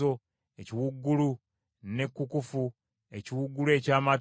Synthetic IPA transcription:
o̞ | eciwuɡːulu | ne̞kːukufu | e̞ciwuɡːule̞ːcaːma

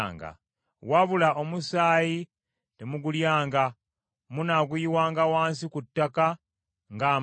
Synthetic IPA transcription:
ŋɡa̰ | waβulaʔo̞musaːji | temuɡuljaːŋɡa | munaɡujiwaːŋɡawaːnsikutːaka | ŋɡaː

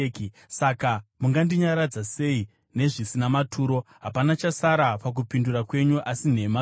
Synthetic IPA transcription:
ki | sakamuŋɡandiɲaɾad͡zase̞i | ne̞ʐisinamatʰuːɾo̞ɦapanat͡ʃasaɾapak̬upindurakwe̞ɲuʔasin̤e̞ma

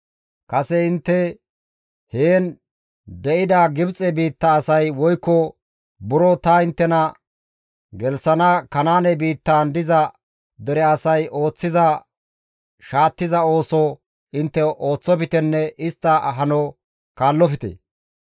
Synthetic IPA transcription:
kɐsɛɪnt̪ːɛ | heːn | d̪ɛʔɪd̪ɐɡɪbt͡sʼɛbiːt̪ːɐːsɐjwɔjkːɔ | bʊɾɔt̪ɐɪnt̪ːɛnɐ | ɡɛlsɐnɐkɐnaːnɛbiːt̪ːaːnd̪ɪzɐ | d̪ɛɾɛɐsɐjʔo̞ːt͡sːɪzɐ | ʃaːt̪ːɪzɐo̞ːsɔ | ɪnt̪ːɛʔo̞ːt͡sːɔpɪt̪ɛnːɛʔɪst̪ːɐɦɐnɔ | kaːlːɔpɪt̪ḛ

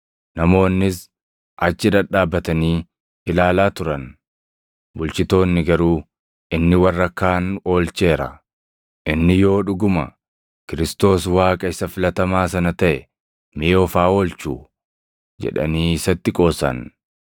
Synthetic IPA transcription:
nɐmo̞ːnːɪs | ʔɐt͡ʃːɪd̪ɐᶑaːbːɐt̪ɐniː | ɪlaːlaːt̪ʊɾɐn | bʊlt͡ʃɪt̪o̞ːnːɪɡɐɾuː | ʔɪnːɪwɐrːɐkːaːno̞ːlt͡ʃe̞ːɾɐ̰ | ʔɪnːɪjo̞ːᶑʊɡʊmɐ̰ | kɪɾɪst̪o̞ːswaːkʼɐɪsɐfɪlɐt̪ɐmaːsɐnɐt̪ɐʔɛ | meɔfaːo̞ːlt͡ʃṵː | d͡ʒɛ̰ᶑɐ̰niːɪsɐt̪ːɪkʼo̞ːsɐ̰n

